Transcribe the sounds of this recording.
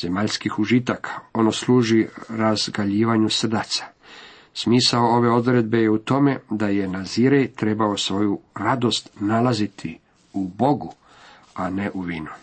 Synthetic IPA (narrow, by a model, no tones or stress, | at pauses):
z̥e̞maʎskixuʒit̪akʰḁo̞noslˠuːʒiɾazɡaʎiːʋaɲusr̩d̪at̪sḁ | smiːsaoo̞ʋe̞o̞d̪ɾe̞d̪̚be̞jeut̪o̞me̞d̪aje̞naziɾejt̪ɾe̞bao̞sʋo̞juɾad̪o̞st̪nalazit̪ʰi | ubo̞ɡu | ane̞ʔuʋiːnu